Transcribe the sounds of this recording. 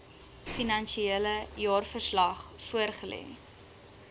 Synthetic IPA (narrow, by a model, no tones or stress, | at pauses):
finɐnʃieləjɑːrfərslɐχfuərχəlɛ̰